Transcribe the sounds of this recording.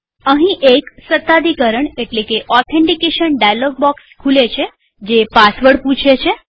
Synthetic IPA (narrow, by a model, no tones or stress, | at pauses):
əɦĩʔeksət̪ːad̪ikəɾəɳeʈlekeʔɔt̪ʰẽɳʈikeʃənɖajalɔɡ̚bɔkskʰulet͡ʃʰe | d͡ʒepasʋəɽpũt͡ʃʰet͡ʃʰe